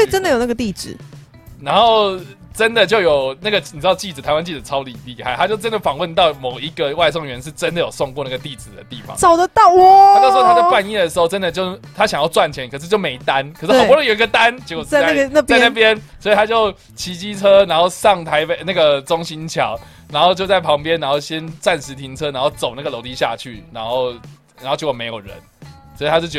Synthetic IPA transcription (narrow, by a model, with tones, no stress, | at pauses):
ʈ͡ʂə˥nd̪ə˨jo˨˩na˥ɡə˩t̪i˥˩t͡sɹɻ̩˨˩ | na˧˦nxo˥˩ʊ | ʈ͡ʂə˦nd̪ə˨t͡ɕjo˥˩ʊjo˨˩ʊna˥˩ɡə˩n˨t͡sɻd̪ɑ˥˧ʊt͡ɕi˥˩t͡s̩˨˩t̪ʰa˧ɪwa˦nt͡ɕi˥˩d͡z̩ʰ˨˩ɑ˦˥ʊli˨˩li˥˧xa˥˩ɪt̪a˦t͡ɕjo˥˩ʊʈ͡ʂə˦nd̪ə˨˩fɑ˨˩ŋwə˥˧nt̪ɑ˥˩ʊmo˨˩ʊi˧˥ɡə˨wa˥˧ɪsɔ˥˧˩ŋɥɛ˧˦nʂɻ̩˥˩ʈ͡ʂə˦nd̪ə˨jo˨˩so˥˧ŋkwɔ˥˧na˥˩ɡə˩t̪i˥˩t͡sɹ̩˨˩d̪ə̰˩t̪i˥˩fɑ̰˨˦ŋsɑ˨˩ʊd̪ə˧t̪ɑ˥˩ʊɔ˨˩˥t̪ʰa˥˧wa˥˧ni˥˩d̪ə˩ʂ̬ɻ̩˧˥xo˥˧ʈ͡ʂə˦˥nd̪ə˨t͡ɕjo˥˩ʊt̪ʰa˦˥ɕjɑ˨˩ŋjɑ˥˧t͡swa˥˩nt͡ɕʰjɛ˧˦nkʰə˨˩ʂ̬ɻ̩˥˧t͡ɕjo˥˩ʊme˧˥ɪt̪a˦nkʰʂ̩˥xə˨˩˥ə˧˦jo˨˩i˦ɡə˧t̪a˦nt͡ɕko˨˩˥a˥˧a˥˩t͡sa˥˧ɪna˥˩pjɛ˦nswɔ˧˥i˨t̪ʰa˥t͡ɕjo˥˩ʊ | t͡ɕʰi˧˥t͡ɕi˥t͡sʰə˦na˧˥nxo˥˧ʊʂɑ˥˩ŋt̪ʰa˧˥ɪpe˨˩ɪna˥˩ɡə˩t͡so˦˥ŋɕi˧˥nt͡ɕʰjɑ˨˩ʊ | na˧˥nxo˥˧ʊt͡ɕjo˥˧ʊt͡sa˥˩ɪpʰɑ˧˥ŋpjɛ˦na˧˥ŋxo˥˩ʊɕjɛ˦nt͡sa˥˩nʂɻ̩˧˥t̪ʰi˧˥ŋt͡sʰɤ˦˥na˨˧˥ŋxo˥˩ʊt͡so˨˩ʊna˥˩ɡə˩lo˧˥ʊt̪i˧ɕja̰˥˧t͡ɕʰy̰˥˩na˧˥nxo˥˩ʊ | n˨˧ŋxo˥˩t͡ɕo˧˥wɔ˨me˧ɪjo˨˩ɻə̰˧˦nswɔ˧˥i˨˩t̪ʰa˥t͡ɕjo˥˩ʊt͡ɕ